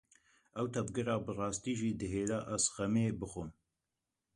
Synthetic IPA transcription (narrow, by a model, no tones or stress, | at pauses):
ʔɛwt̪ʰɐvɡɨɾɑːbɨrɑːst̪iːʒiːd̪ɨɦeːlɑːʔæzxɛmeːbɨxɨm